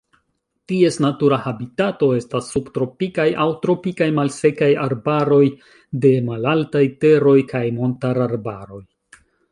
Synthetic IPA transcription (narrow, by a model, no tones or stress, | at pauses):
tie̞snatuɾahabitato̞e̞stasːubtɾo̞pikajawtɾo̞pikajmalse̞kajaɾbaɾo̞j | de̞malaltajte̞ɾo̞jkajmo̞ntaɾaɾbaɾo̞j